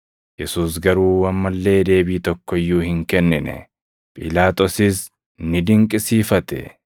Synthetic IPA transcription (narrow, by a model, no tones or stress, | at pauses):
jɛsuːs̬ɡɐɾuːwɐmːɐlːe̞ːd̪e̞ːbiːt̪ɔkːɔɪjːuːhɪŋkɛnːɪnɛ̰ | pʼɪlaːt̪ʼɔsɪs | nɪd̪ɪŋkʼɪsiːfɐt̪ɛ̰